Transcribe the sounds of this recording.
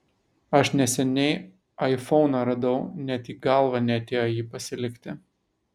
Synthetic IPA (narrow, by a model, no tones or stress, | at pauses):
ɐʃnʲɛsʲɛnʲɛɪ | ɐɪfɔʊnɐɾɐd̪ɐʊnʲɛt̪iːɡɑlˠʋɑnʲɛɐt̪ʲeːjɔjiːpɐsʲɪlʲɪkʲt̪ʲɪ